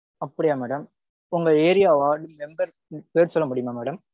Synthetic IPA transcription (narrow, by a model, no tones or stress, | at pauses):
ɐpːɐɽɪjaːmɛːɽɐm | ʊŋɡɐeːɾɪjaːʋaːɽɯmɛmbɐɾ | peːɾsɔlːɐmʊɽɪjɯmaːmɛːɽɐm